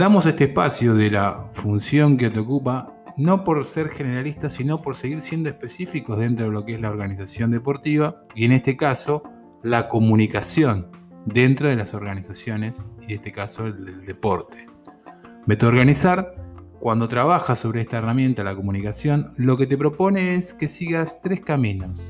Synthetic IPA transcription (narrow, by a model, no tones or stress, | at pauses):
d̪amo̞sest̪eːhpasjoðelafunsjo̞ŋkeot̪eo̞kupa | no̞po̞ɾseɾxe̞neɾalist̪asino̞po̞ɾseɣiɾsjend̪oehpe̞sifiko̞zð̞e̞nt̪ɾoðelo̞keezlaoɾɣanis̬asjo̞nd̪e̞po̞ɾt̪iβa | ie̞ne̞st̪e̞kaso̞ | lako̞munikasjo̞n | d̪e̞nt̪ɾoð̞e̞laso̞ɾɣanisasjo̞ne̞siðe̞st̪e̞kaso̞d̪eld̪e̞po̞ɾt̪e̥ | bet̪uoɾɣanisaɾkwand̪o̞t̪ɾaβaxaso̞βɾeest̪aeramjẽ̞nt̪alako̞munikasjo̞nlo̞ke̞t̪e̞pɾo̞po̞ne̞eske̞siɣast̪ɾe̞hskamĩno̞s